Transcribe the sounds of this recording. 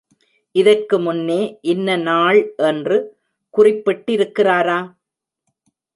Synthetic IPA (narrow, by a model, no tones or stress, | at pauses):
ʔɪðɐrkɯmʊnːeːʔɪnːɐnaːɭʔɛndrɯ | kʊrɪpːɪʈːɪɾɯkːɪraːɾaː